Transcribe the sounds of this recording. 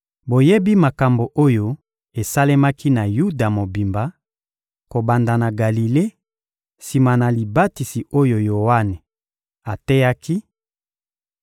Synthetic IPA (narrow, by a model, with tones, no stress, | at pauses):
bo˨je˦bi˦ma˨ka˨mbo˨ʔo˦jo˨ | e˨sa˦le˦ma˦kʰi˦na˨ju˦da˨mo˨bi˨mba˨ | ko˨ba˨nda˨na˨ɡa˨li˨le˦ | si˨ma˨na˨li˨ba˦ti˨si˨o˦jo˨jo˨wa˦ne˨ | a˨tɛ˦ja˦ki˦